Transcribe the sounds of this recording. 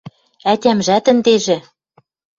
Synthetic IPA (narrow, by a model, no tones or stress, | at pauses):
ætʲæmʒæt̪ə̆nd̪eʒɘ̆